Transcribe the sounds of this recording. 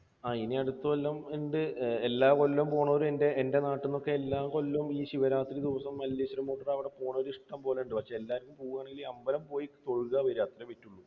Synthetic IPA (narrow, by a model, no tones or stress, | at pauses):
aːiniɐɽut̪ːɐolːɐmiɳɖɨelːaːko̞lːumpo̞ːɳoːɾumende̞ʔende̞naːʈːinːo̞kːe̞elːaːko̞lːumiːɕiʋɐɾaːt̪ːɾid̪iʋɐsɐmːɐlːiɕɐɾumoːʈːɐrɐʋiɽe̞poːɳɐɾiʂʈɐmpo̞ːleuɳɖɨpɐkʂe̞ːlːaːɾkːumpoːɣuɣaːɳeɡiliɐmbɐlɐmpo̞ːjikːɨt̪o̞ɻɣaʋɐɾaːt̪ːɐɾɨmʋitːuɭːu